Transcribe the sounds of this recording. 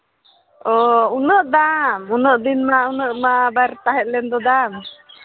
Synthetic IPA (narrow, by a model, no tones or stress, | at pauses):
ɔunəʔd̪amunəʔd̪inmaunəʔmabaɾt̪aɦɛt̪̚lɛnd̪ɔd̪am